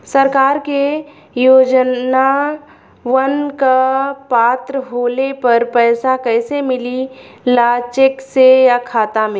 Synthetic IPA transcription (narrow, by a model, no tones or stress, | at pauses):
sɐɾkaːɾke | joːd͡ʒna | ʋənkapaːt̪ɾəɦoːlepɐɾpɛːsakɛːsemɪlilaːt͡ʃɪksejakʰaːt̪amɪ